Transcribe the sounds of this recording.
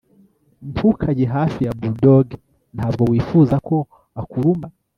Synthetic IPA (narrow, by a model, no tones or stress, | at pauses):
mpʰukʰaɟeɦafijabudoɡ | nthavɡowifuzakʰo | akuɾumba